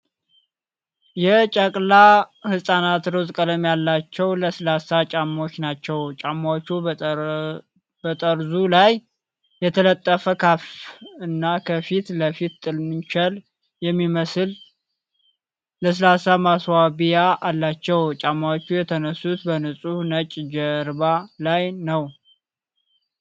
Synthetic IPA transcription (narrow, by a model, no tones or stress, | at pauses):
jɛt͡ʃʼəkʼlahɨsʼanat̪ɾozkʼələmjalːat͡ʃːɛwləslasat͡ʃʼamo̞t͡ʃːnat͡ʃːɛwt͡ʃʼamawt͡ʃːu | bət̪ʼəɾzulaj | jɛt̪ʰələt̪ʼːəfəkʰafɨnːakʰəfit̪ləfit̪t̪ʼɨlmɨnt͡ʃɛl | jɛmːiməsɨl | ləs̬ɨlasamaswaβijaʔalːat͡ʃːɛwt͡ʃʼamːawt͡ʃːujɛt̪ʰənəsːut̪bənəsʼunət͡ʃʼd͡ʒəɾbalajnəw